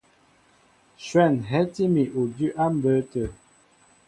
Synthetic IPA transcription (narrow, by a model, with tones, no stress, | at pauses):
ʃwɛ˦˨nɦɛ˦ti˦mi˨ʔo˨dʉ˦ʔa˦m˦bə˦tə˨